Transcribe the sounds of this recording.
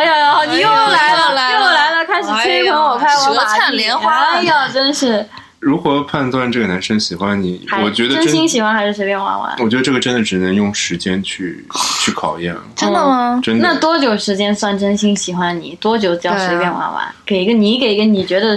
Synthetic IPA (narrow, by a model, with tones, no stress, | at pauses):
a˥jɑ˥˧jɑ˧xɑ˧˩ʊni˧˥˩la˧˥ɪlə˧jɔ˧˩la˧˥ɪlə˧kʰa˥ɪʂɻ̩˨˩tʰwe˥ɪkʰɤ˧˥ŋwɔ˨˩pʰa˥˧ɪwa˧˥a˩˥ljɛ˧˥nxwa˥˩˥jɑ˥˩ʈ͡ʂə˥nʂɻ̩˥˩ | ɻu˧˥xwɔ˧˥pʰa˥˧nt̪wa˥˧nʈ͡ʂɤ˥˩ɡə˩na˧˥nʂə˥ŋɕi˨˩xwa˥nni˨˩˦a˧˥wɔ˨˩t͡ɕɥɛ˧˥d̪ə˧ʈ͡ʂə˥n˥ɕii˥ŋɕi˨˩xwa˥nxa˧˥ʂɻ̩˥˩ʂ̬e˧˥pjɛ˥˧nwa̰˧˥nwa̰˧˥nwɔ˨˩t͡ɕɥɛ˧˥d̪ə˧ʈ͡ʂɤ˥˩ɡə˩ʈ͡ʂə˥nd̪ə˩ʈ͡ʂɻ̩˨˩nə˧˥ŋjʊ˥˩ŋʂɻ̩˧˥t͡ɕjɛ˥nt͡ɕʰy˥˧ | t͡ɕʰy˥˩kʰɑ˨˩ʊjɛ̰˥˩nʈ͡ʂə˥nd̪ə˨məʈ͡ʂə˥ndna˥˩t̪wɔ˥t͡ɕjo˨˩ʊʂɻ̩˧˥t͡ɕjɛ˥nswa˥˩nʈ͡ʂə˥nɕi˥ŋɕi˨˩xwa˥nnḭ˨˩t̪wɔ˥t͡ɕjo˨˩ʊt͡ɕjɑ˥ŋʂe˧˥ɪpjnwa̰˧˥nwa̰˧˥nke˨˩ɪi˧˥ɡə˧ni˧˥ke˨˩ɪi˧˥ɡə˧ni˨˩t͡ɕɥɛ˧˥d̪ə˧